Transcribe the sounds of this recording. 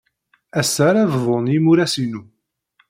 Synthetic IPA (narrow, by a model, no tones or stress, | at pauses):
æsːæɾævvˤonimuɾæsinu